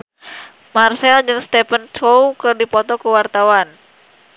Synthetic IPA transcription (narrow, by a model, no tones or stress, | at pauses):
marsɛld͡ʒɨŋst̪ɛpənt͡ʃowkɨrdipɔt̪ɔkəwart̪awan